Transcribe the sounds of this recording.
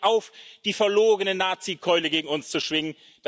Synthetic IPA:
ʔaʊfd̥iːfɛɐloːɡənənːaːt͡sikʰɔʏləɡeːɡŋ̩ʊnst͡suʃv̥ɪŋən | d̥

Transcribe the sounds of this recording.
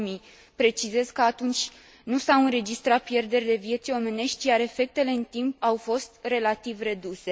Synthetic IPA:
mi | pɾe̞t͡ʃize̞zkəat̪unt͡ʃʲ | nusawɨnɾe̞d͡ʒist̪ɾat̪̚pje̞rd̪e̞rʲle̞vije̞t̪sʲjo̞me̞ne̞ʃt̪ʲt͡ʃijaɾe̞fe̞k̚t̪e̞le̞ɨnt̪imp̚awfo̞st̪re̞lat̪ivre̞d̪use̞

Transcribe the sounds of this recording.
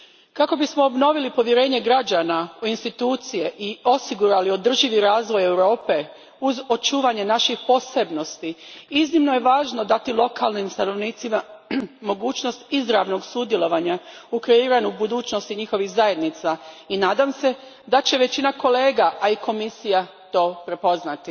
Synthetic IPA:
kako̞bismo̞obno̞ʋilipo̞ʋjeɾe̞ːɲe̞ɡɾad͡ʑanauinst̪it̪uːt̪sije̞ʔio̞siɡuɾalio̞d̪r̩ʒiʋiɾaːzʋo̞je̞wɾo̞ːpe̞ | uzo̞t͡ʃuːʋaɲe̞naʃixpo̞se̞bno̞st̪iiznimno̞je̞ʋaːʒno̞d̪at̪ilo̞kalnimst̪ano̞ʋniːt̪simamo̞ɡuːt͡ɕno̞st̪izɾaʋno̞ɡsud̪je̞lo̞ʋaɲaukɾeiːɾanubud̪uːt͡ɕno̞st̪iɲixo̞ʋixzaje̞d̪nit̪sainaːd̪amse̞ | d̪at͡ɕe̞ʋe̞t͡ɕinako̞le̞ːɡaʔaiko̞misija | t̪o̞ːpɾe̞po̞znat̪i

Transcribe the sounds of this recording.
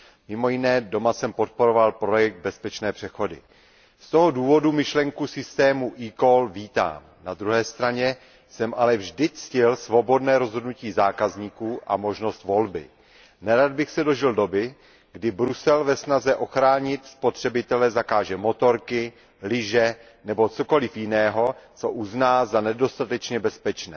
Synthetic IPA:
mɪmo̞jɪnɛːdo̞masɛmpo̞t̪̚po̞ɾo̞valpɾo̞jɛk̚d̪̚bɛspɛt͡ʃnɛːpr̥ɛxo̞dɪ̰ | st̪o̞ɦo̞duːvo̞dumɪʃlɛŋkusɪst̪ɛːmuʔikolviːt̪a̰ːm | nad̪ɾuɦɛːst̪ɾaɲɛ | sɛmʔalɛvʒdɪt͡scɪlsvo̞bo̞dnɛːɾo̞zɦodnuciːzaːkazɲiːkuːʔa̰mo̞ʒno̞st̪vo̞lbɪ̰ | nɛɾad̪̚bɪxsɛdo̞ʒɪldo̞bɪ | ɡdɪbɾusɛlvɛsnazɛʔo̞xɾaːɲɪt̪spo̞t̪r̝̥ɛbɪt̪ɛlɛzakaːʒɛmo̞t̪o̞ɾkɪ | lɪʒɛ | nɛbo̞t͡so̞ko̞lɪfjɪnɛːɦo̞t͡so̞ʔuznaːzanɛdo̞st̪at̪ɛt͡ʃɲɛbɛspɛt͡ʃnɛ̰ː

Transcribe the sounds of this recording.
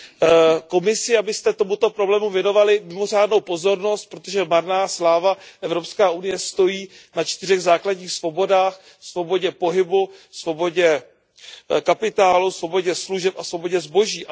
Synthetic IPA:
ko̞mɪsɪabɪst̪ɛt̪o̞mut̪o̞pɾoblɛːmuvjɛno̞valɪmɪmo̞r̝aːdnowpo̞zo̞ɾno̞st̪̚pɾo̞t̪oʒɛmaɾnaːslaːvaʔɛvɾo̞pskaːʔunɪjɛst̪o̞jiː | nat͡ʃt̪ɪr̝ɛɣzaːkladɟɲiːxsvo̞bo̞daːx | svo̞bo̞ɟɛpo̞ɦɪbusvo̞bo̞ɟɛ | kapɪt̪aːlusvo̞bo̞ɟɛsluʒɛpasvo̞bo̞ɟɛzbo̞ʒiː

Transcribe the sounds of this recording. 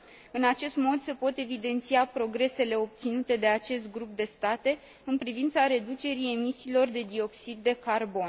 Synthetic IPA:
ɨnat͡ʃe̞st̪mo̞d̪se̞po̞t̪e̞vid̪e̞nt̪siapɾo̞ɡɾe̞se̞le̞o̞p̚t̪sinut̪e̞d̪e̞at͡ʃe̞st̪̚ɡɾup̚d̪e̞st̪at̪e̞ | ɨnpɾivint̪saɾe̞d̪ut͡ʃe̞ɾije̞misiːlo̞rd̪e̞d̪io̞ksid̪ːe̞karbo̞n

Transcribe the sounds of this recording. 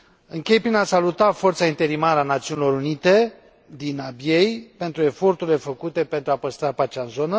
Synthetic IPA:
ɨŋkʲe̞jpɾinasalut̪afo̞rt̪saint̪e̞ɾimaɾəanat̪siunilo̞ɾunit̪e̞ | d̪inabjejpe̞nt̪ɾue̞fo̞rt̪uɾile̞fəkut̪e̞pe̞nt̪ɾuapəst̪ɾapat͡ʃaɨnzo̞nə

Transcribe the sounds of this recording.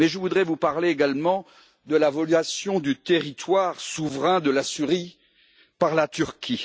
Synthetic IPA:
mɛʒəvud̪ʁɛvupaʁleːɡalmɑ̃ | d̪əlavɔlyasjɔ̃d̪yt̪eʁit̪waʁsuvʁɛ̃d̪əlasyʁi | paʁlat̪yʁkʰʲi

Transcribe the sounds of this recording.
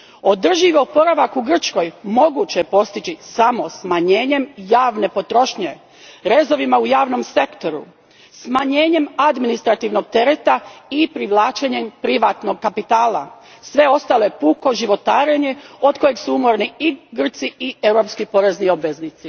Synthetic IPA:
o̞d̪r̩ʒiʋpo̞ɾaʋakuɡr̩t͡ʃko̞jmo̞ɡut͡ɕepo̞st̪it͡ɕisamo̞smaɲeːɲe̞mjaːʋne̞po̞t̪ɾo̞ʃɲe̞ | ɾe̞zo̞ʋimaujaːʋno̞mse̞kt̪o̞ɾṵ | smaɲe̞ːɲe̞mad̪minist̪ɾat̪iːʋno̞ɡ̚t̪e̞ɾet̪aipɾiʋlˠaːt͡ʃeɲe̞mpɾiʋat̪no̞ɡkapit̪aːla̰ | sʋe̞o̞st̪alo̞jepuːko̞ʒiʋo̞t̪aːɾeɲeo̞t̪ko̞je̞ɡsuumo̞ɾniiɡr̩t̪siie̞wɾo̞pskipo̞ɾe̞znio̞bʋe̞znit̪si

